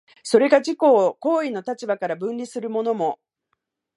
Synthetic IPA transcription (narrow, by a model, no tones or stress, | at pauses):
so̞ɾe̞ɡaʑiko̞ːko̞ːino̞t̪at͡ɕibakaɾabɯ̟̃nɾʲisɨɾɯ̟mo̞no̞mo̞